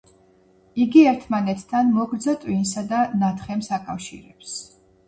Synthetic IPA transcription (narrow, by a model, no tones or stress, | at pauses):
iɡiɛɾt̪ʰmanɛt̪ʰːanmɔɡɾd̪zat̪ʼwinsad̪anat̪ʰχɛmsakʼafʃḭɾɛps